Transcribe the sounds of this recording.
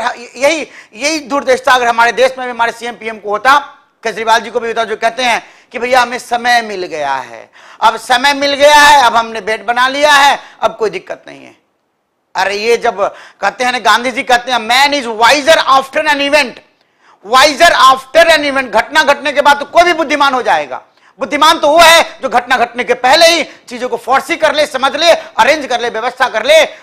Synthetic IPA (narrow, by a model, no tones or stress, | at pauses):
ɦɐejɐɦijɐɦid̪uːɾd̪eːʃt̪ʰaɐɡəɾɦɐmaːɾed̪eːʃmẽbʱiɦɐmaːɾesiɛmpiːɛmkoɦoːt̪a | keːd͡ʒɾibaːld͡ʒikobʱiɦoːt̪ad͡ʒokɛɦt̪eɦɛ̃ | kibʱɐijaɦɐmẽsɐməjmɪlɡɐja̰ɦɛ̰ː | ɐbsɐməjmɪlɡɐjaɦɛɐbɦɐmnebeːʈ̚bɐnalijaɦɛɐb̚koːid̪ɪkːət̪nɐ̰ɦḭ̃ɦɛ̰ː | ɔːɾjed͡ʒɐbkɛɦt̪eɦɛ̃nẽɡãːnd̪ʱid͡ʒikɛɦt̪eɦɛ̃mɛneːd͡ʒʋaːɪzəɾaːpʰʈəɾɛːnɪʋɛ̃ɳʈ | ʋaːɪzəɾaːpʰʈəɾɛːnɪʋɛ̃ɳʈ̚ɡʱɐʈnaɡʱɐʈnekebaːd̪̚t̪okoːibʱibʊd̪ʱːɪmaːnɦod͡ʒaːḛːɡa̰ː | bʊd̪ʱːɪmaːnt̪oʋoɦɛd͡ʒoːɡʱɐʈnaɡʱɐʈnek̬epɛɦleɦit͡ʃiːd͡ʒõkofʰɔːɾsikɐɾlesɐməd͡ʒʱleɐɾẽːd͡ʒkɐɾleʋjɐʋəst̪ʰakɐɾle